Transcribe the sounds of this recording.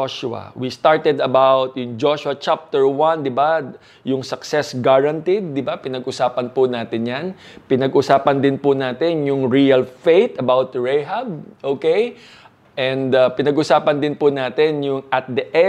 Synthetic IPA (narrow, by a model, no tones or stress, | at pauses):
ʃʊɐ̰wist̪aɹt̪ɛd̪ɐbawt̪̚jʊŋd͡ʒoʃʊɐt͡ʃap̚t̪ɛɹwɐ̃nd̪ɪba | jʊŋsɐksɛsɡaɹɐnt̪ɪd̪̚ːɪbapɪnɐɡʔʊsaːpɐnpʊnaːt̪ɪnjan | pɪnɐɡʔʊsaːpɐnd̪ɪnpʊnaːt̪ɪnjʊŋɹiɐlfejt̪ɐbawt̪̚ɹejɦɐb̚ʔokej | ʔɛ̃nd̪ɐpɪnɐɡʔʊsaːpɐnd̪ɪnpʊnaːt̪ɪnjʊŋɐt̪̚d̪ɐʔɛ